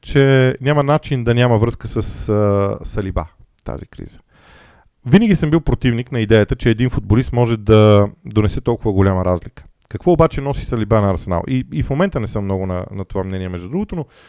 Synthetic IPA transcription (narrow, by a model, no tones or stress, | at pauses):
t͡ʃɛnʲjamɐnat͡ʃind̪ɐnʲaməvɾɤskəsəs | sɐliba̰ | t̪a̰zikɾḭz̥ə̥ | vinəɡʲisəmbilˠpɾot̪ivniknɐid̪ɛjət̪ət͡ʃɛːd̪infʊd̪̚bolist̪mɔʒɛd̪ɐd̪onɛsɛt̪ɔlˠkʊvəɡolʲaməɾazlikə̥ | kɐkvɔobat͡ʃɛnɔsi̥sɐlibanɐːɾsɛna̰lˠʔiifmomɛnt̪ənɛsəmːnɔɡʊnɐ̰nɐt̪ovamnɛniɛmɛʒd̪ud̪ɾuɡot̪ono